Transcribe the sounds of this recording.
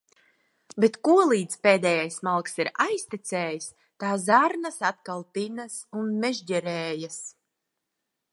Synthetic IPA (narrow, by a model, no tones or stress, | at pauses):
bet̪kuɔlˠiːt̪speːd̪ɛːjajsmalˠksiɾajst̪it̪sɛːjis | t̪aːzaɾnasat̪kalˠpinasunmɛʒɟɛɾɛːjas